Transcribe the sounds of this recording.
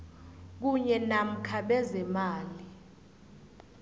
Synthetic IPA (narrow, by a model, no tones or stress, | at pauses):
k̬uɲɛnam̩kʰaɓɛzɛmaːli